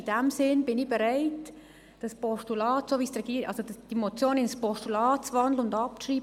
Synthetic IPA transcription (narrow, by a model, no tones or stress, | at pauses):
ɪd̥ɛmsɪnb̥ɪnɪb̥eɾaɪt | d̥ɑspɔʃtulɑːtsoːviːstrɛɡiːəʔɑlsod̥imot͡sjoːnɪnspɔʃtulɑːtt͡svɑndlənʊndɑp̚t͡sriːb